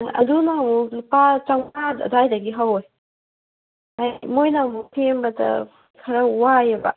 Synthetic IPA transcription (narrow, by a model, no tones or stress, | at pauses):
ʔɐdunamulupat͡ʃaŋada̰dajd̪aɡiɦawɔj | amojnamupʰembad̪a̰ | kʰɐɾawajaba̰